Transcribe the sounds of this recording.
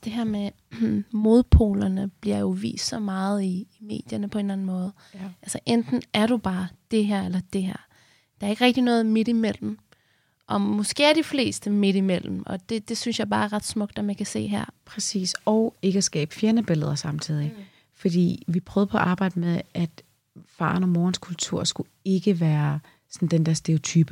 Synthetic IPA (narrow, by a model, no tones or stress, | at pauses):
d̥e̝ɦæɐ̰me | mo̝ð̞ˠpʰo̝̰ːlɐnəb̥liɐjo̝ʋḭːsd̥sɒ̽mɑ̈ːð̞̩ˠiːme̝̰ːd̥jɐnəpʰɒ̽e̝ːnlæn̩mɔ̽ːð̞̩ˠælsɐʔend̥n̩æɐɾ̥ub̥ɑ̈ːd̥e̝ɦæɐ̰elɐd̥e̝ɦæɐ̰ | d̥ɑ̈æɐeɡ̥əʁɛɡ̥d̥inɔ̽ːð̩ˠmed̥imel̰m̩ | ʔɒ̽mɔ̽sɡ̥e̝̰ːæɐɾ̥ifle̝̰ːsd̥əme̝ɾ̥imel̰m̩ʔɒ̽d̥e̝d̥e̝synsjɑ̈ɪb̥ɑ̈ːɐʁɑ̈d̥smɔ̽ɡ̥̚d̥ɒmænkʰæse̝̰ːɦæɐ̰pʰʁɛsḭːsɒʊe̝ɡ̥əsɡ̥ɛ̰ːb̥əfjeɐnəb̥e̝ləðˠɐsɑ̈mt͡sʰið̞̰ˠi | fɒ̽d̥ḭːʋipʰʁœʊðˠpʰɒ̽ʔɑ̈ːb̥ɑ̈ɪd̥əmeðˠʔæd̥ | fɑ̰̈ːnɒmɒːnskʰult͡sʰuɐ̰sɡ̥u | e̝ɡ̥əʋæːɐ | sɒ̽n̩d̥end̥ɛɐ̰sd̥e̝o̝t͡sʰyːb̥ə